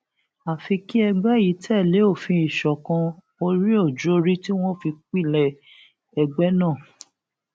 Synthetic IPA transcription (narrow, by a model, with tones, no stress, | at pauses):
a˨fi˧ki˦ɛ˧ɡ͡bɛ˦ji˨˦tʰɛ˦˨le˨˦o˦˨fĩ˧˦i˨ʃɔ˨kã˧ | o˧ɾi˦o˦˨d͡ʒo˦ɾi˦ti˦w̃ɔ̃˦fi˧k͡pi˦˨lɛ˨ | ɛ˧ɡ͡bɛ˦nãː˦˨